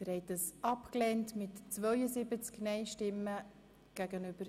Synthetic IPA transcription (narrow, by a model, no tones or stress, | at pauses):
əɾhɛɪt̚d̥ɑsɑpklɛntmɪtt͡svœʏəzɪbət͡sknɛɪʃtɪmːə | ɡ̥æɡənyb̥əɾ